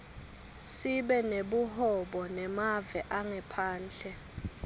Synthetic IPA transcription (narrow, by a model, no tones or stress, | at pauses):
siɓɛneɓuɦɔɓɔnɛmavɛʔaŋɛpʰaːnd͡ɮʰɛ